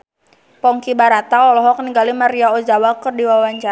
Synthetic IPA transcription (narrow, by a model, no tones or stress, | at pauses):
pɔŋkibaɾat̪aɔlɔɦɔkniɡalimaɾiaɔd͡ʒawakərdiwawaɲt͡ʃa